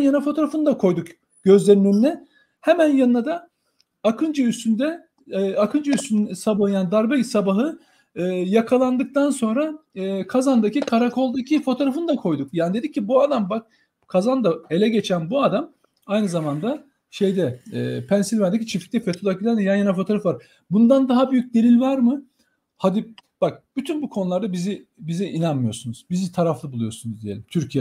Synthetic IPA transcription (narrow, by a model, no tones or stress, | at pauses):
njanafo̞t̪ʰo̞ɾafɯnd̪akʰo̞jd̪uk | ɟ̥ø̞zlʲe̞ɾinylɛ | hemænjanɯnad̪aː | kʰɯnd͡ʒɯysynd̪ɛ | akʰɯnd͡ʒɯyst̪ynsabahɯjaːnid̪aɾbɛsabaɦɯ | ɯːjakʰalˠand̪ɯk̚t̪ʰanso̞nɾaːkʰazand̪acʰikʰaɾakʰo̞lˠd̪acʰifo̞t̪ʰo̞ɾafɯnd̪akʰo̞jd̪ukjaːnid̪e̞d̪icʰːibuad̪ambak̚ | kʰazand̪ae̞lʲɛɟe̞t͡ʃʰænbuad̪am | ajnɯzamand̪a | ʃe̞jd̪ɛːpʰænsilʲvænd̪ecʰit͡ʃʰifʲic̚t̪ʲɛfet̪ʰod̪ˠakilʲænijanjanafo̞t̪ʰoɾafvaɾ | bund̪and̪aɦabyjyc̚d̪e̞lʲilʲvaɾmɯ | had̪ib̥ak̚b̥yt̪ʰynbukʰonulˠaɾd̪abizibiziʔinanmɯjo̞ɾsunuz̥bizit̪ʰaɾaflˠɯbulˠujo̞̰sunuzd̪ije̞̰lʲimt̪ʰyɾcʰiɛ